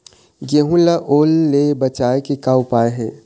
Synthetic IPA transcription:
ɡeɦũlaʔoːlːebət͡ʃaːekekaːwpaːeɦɛ̃

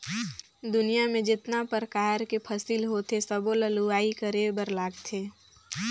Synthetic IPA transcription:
d̪ʊnijamẽd͡ʒɪt̪napəɾkaːɦəɾkepʰəsiːlɦot̪esəboləluaːikəɾebəɾlaːɡt̪ʰeː

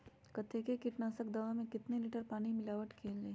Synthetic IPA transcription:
kɐt̪ʰːekekɪʈnaːsək̚d̪ɐʋamẽkɪt̪neliːʈəɾpaːnimɪlaːʋəʈkʰeːleː

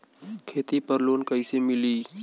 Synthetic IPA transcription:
kʰeːt̪ipəɾloːnkəɪsemɪliː

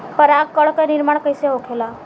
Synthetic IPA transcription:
pəɾakkːəɭkənɪɾmaɽ̃kəjseɦokʰela

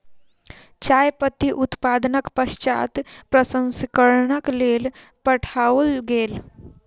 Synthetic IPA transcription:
t͡ʃajpət̪iʔʊt̪paːd̪ənəkpəst͡ʃa̰ːt̪pɾəsə̃nskəɾnəkleːlpəʈʰalɡeːl

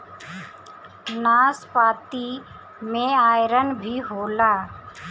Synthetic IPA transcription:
naːspaːt̪i | mẽaːjɾənbʱiɦoːlaː

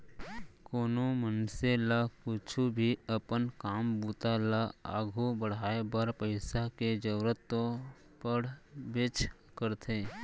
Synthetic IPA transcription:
koːnomənselakʊt͡ʃʰubʱiəpənkaːmbuːt̪alaa̰ːɡʱobəɽ̤aːebaɾpəɪsaked͡ʒəɾət̪ːo | pəɽbɪt͡ʃ | kəɾt̪ʰeː

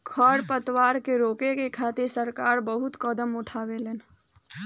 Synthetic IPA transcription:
kʰɔːɽpət̪waːɾkeɾoːkekekʰaːt̪ɪɾsəɾkaːɾbəɦʊt̪kəd̪əmʊʈʰaːweleːn

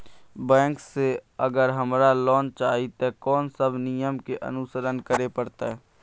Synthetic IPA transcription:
bɛ̃ːŋkseəɡəɾɦəmɾalɔːnt͡ʃaːɦit̪ekɔːnsəbʱnɪjəmkeʔə̰nʊsəɾənkəɾepəɾt̪a̰ɦɛ

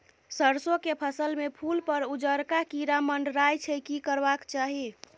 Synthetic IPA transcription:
səɾsokepʰəsəlmepʰulpəɾud͡ʒəɾkakiɾaməɳɖɾajt͡ʃʰəkikəɾbakt͡ʃaɦi

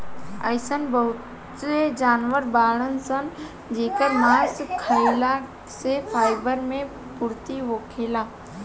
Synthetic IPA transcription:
ə̰jsənbəɦʊt | ed͡ʒaːnʋəɾbaːɭənsən | d͡ʒeːkəɾmaːɾskʰaila | sepʰaːɪbəɾmẽ | pʊɾt̪iʋoːkʰeːlaː

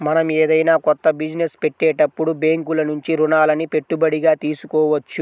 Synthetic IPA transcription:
mɐnɐmeːd̪ɐjnaːkɔt̪ːɐbid͡ʒinespe̞ʈːeːʈɐpːuɽubeːŋkulɐnuɲt͡ʃiɾunaːlɐnipe̞ʈːubɐɽiɡaːt̪iːsukɔːʋɐt͡ʃːu

